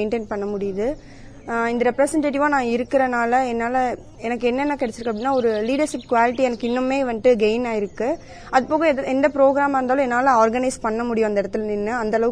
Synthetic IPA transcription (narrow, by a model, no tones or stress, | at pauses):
ɪɳʈeːnpɐɳːɐmʊɽɪjɐðɯ | ɪnd̪ɐɾɛpɾɐsɛɳʈeːʈ̬ɪʋaːnãːɪɾɯkːɪɾɐnaːlɐɛnːaːlɐ | ɛnɐkːɛnːɛnːɐkɪɽɛt͡ʃːɪɾɯkːɐp̚ːɽɪnːaːɔɾɯliːɖɐɾʂɪpkʋaːlɪʈːiɛnɐkːɪnːɯmːeːʋɐnʈɯɡeɪnaːɪɾɯkːɯ | ɐðɯpoːɣɐ̃ɛnd̪ɐpɪɾoːɡɪɾaːmɐɾɯnaːlɔ̃ɛnːaːlɐaːɾɡɐnɐɪspɐɳːɐmʊɽɪjʊ̃ɐnd̪ɐɪɽɐt̪ːɯlnɪnːɯɐnd̪ɐlɐʋɯ